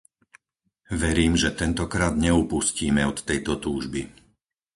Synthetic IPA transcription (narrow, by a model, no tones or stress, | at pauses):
ʋɛɾiːmʒɛt̪ɛnt̪ɔkɾaːd̪ɲɛupusciːmɛɔt̪ːɛjt̪ɔt̪uːʒbi